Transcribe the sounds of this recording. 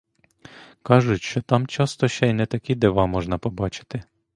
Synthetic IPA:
kɑʒʊtʲʃt͡ʃɔt̪ɑmt͡ʃɑst̪ɔʃt͡ʃɛjnɛt̪ɐkʲid̪eʋɑmɔʒnɐpɔbɑt͡ʃɪ̥t̪ɪ

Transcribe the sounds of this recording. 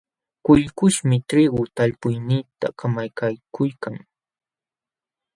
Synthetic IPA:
kʊʎkʊʃmɪʈ͡ʂɾɪɢʊt̪aʎpʊjnɪːt̪a̰kamajkajkʊjkaŋ

